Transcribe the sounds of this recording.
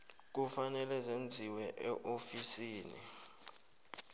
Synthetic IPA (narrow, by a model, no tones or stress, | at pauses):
k̬ufanɛlɛzend͡zʱiwɛʔɛʔofisiːnḭ